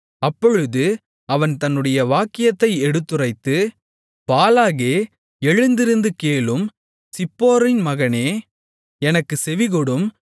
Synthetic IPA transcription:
ɐpːɔɻɯðɯ | ɐʋɐnt̪ɐnːɯɽɐjɐʋaːkːɪjɐt̪ːɐɪɛɽɯt̪ːɯrɐɪt̪ːɯ | paːlaːɣeː | ɛɻɯnd̪ɪɾɯnd̪ɯkeːlɯm | sɪpːoːɾɪnmɐɣɐneː | ɛnɐkːɯsɛʋɪɣɔɽɯm

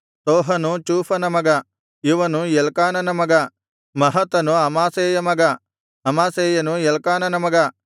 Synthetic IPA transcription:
t̪oːɦɐnut͡ʃuːpʰɐnɐmɐɡɐ | iʋɐnujɛlkaːnɐnɐmɐɡɐ | mɐɦɐt̪ɐnuɐmaːseːjɐmɐɡɐ | ɐmaːseːjɐnujɛlkaːnɐnɐmɐɡɐ

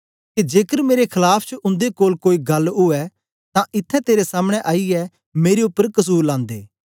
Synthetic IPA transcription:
ked͡ʒeːkəɾmeːɾekʰɐlaːpʰt͡ʃʔʊ̃nd̪ekoːlkoːiɡɐlʊɛ | t̪ãʔɪt̪ʰːɛt̪eːɾesaːmɽ̃ɛʔaːiɛ | meːɾeʊpːəɾkɐs̬uːɾlãːnd̪eː

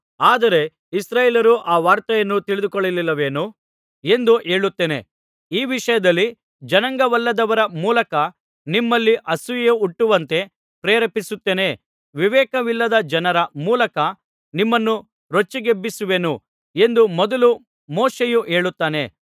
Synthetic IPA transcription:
aːd̪ɐɾe̞ | isɾaːjeːlɐɾuʔaːʋaːɾt̪ɐjɐnːut̪iɭid̪ukɔɭːililːɐʋeːnu | e̞nd̪uʔe̞ːɭut̪ːeːne̞̰ | iːʋiʂɐjɐd̪ɐlːi | d͡ʒɐnɐŋɡɐʋɐlːɐd̪ɐʋɐɾɐmuːlɐkɐ | nimːɐlːiʔɐsujeuʈːuʋɐnt̪e̞ | pɾeːɾɐpisut̪ːeːne̞ | ʋiʋɛːkɐʋilːɐd̪ɐd͡ʒɐnɐɾɐmuːlɐkɐ | nimːɐnːu | ɾot͡ʃːiɡebːisuʋe̞nu | e̞nd̪umɔd̪ɐlu | moːʃejuʔe̞ːɭut̪ːaːne̞

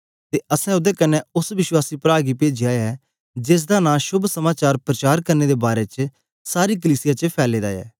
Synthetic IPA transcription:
t̪eːʔəsɛ̃ʊd̪eːkənɛʊsʋɪʃwaːsiːpɾaːɡiːpeːd͡ʒiaːɛː | d͡ʒɪs̬d̪aːnãːʃʊbʱsəmaːt͡ʃaːɾpɾət͡ʃaːɾkəɾneːd̪ebaːɾeːt͡ʃ | saːɾiːk̬əliːsɪjaːt͡ʃəpʰɛːleːd̪a̰ːɛ̰ː

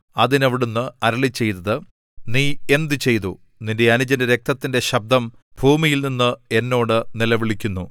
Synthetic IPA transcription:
ɐðinɐʋiɽunːɨɐɾɐɭit͡ɕːe̞jt̪ɐðɨ | niːe̞nd̪ɨt͡ɕe̞jt̪u | ninde̞ɐnud͡ʑɐnɨɾe̞k̚t̪ɐt̪ːinde̞ɕɐb̚d̪ʱɐm | b̥ʱuːmijilninːɨe̞nːo̞ːɽɨnilɐʋiɭikʲːunːu

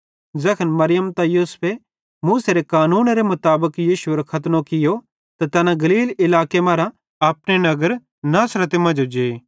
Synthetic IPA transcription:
zɐkʰənmɐɾɪjəmt̪ajuːspʰe | muːseɾekaːnuːnɾemʊt̪aːbəkjiːʃʊeɾokʰɐt̪nõkɪjo | t̪at̪ɛːnãɡɐliːlɪlaːkemaːɾã | ɐpɽenɐɡəɾ | naːsɾət̪emɐ̃d͡ʒod͡ʒeː

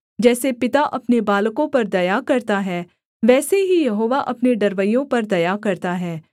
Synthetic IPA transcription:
d͡ʒɛːsepɪt̪aʔɐpnebaːlkõpɐɾd̪ɐjakɐɾt̪aɦɛː | ʋɛːseɦijɐɦoːʋaʔɐpneɖɐɾʋəijõpɐɾd̪ɐjakɐɾt̪aɦɛː

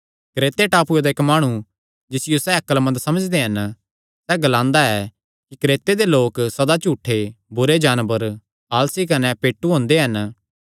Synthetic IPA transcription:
kɾeːt̪eʈaːpued̪aekmaːɽ̃ũ | d͡ʒɪsɪjosɛɐkəlmɐ̃nd̪sɐməd͡ʒd̪eɦɐn | sɛɡɐlãːnd̪aɛ | kikɾeːt̪ed̪eloːksɐd̪at͡ʃuːʈʰːebʊɾed͡ʒaːnbəɾ | aːlsik̬ɐnɛpeːʈːuɦõːnd̪eɦɐn

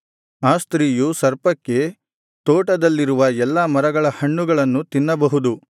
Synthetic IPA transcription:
aːst̪ɾiːjusɐɾpɐkːe̞ | t̪oːʈɐd̪ɐlːiɾuʋɐɛlːɐmɐɾɐɡɐɭɐhɐɳːuɡɐɭɐnːut̪inːɐbɐɦud̪u

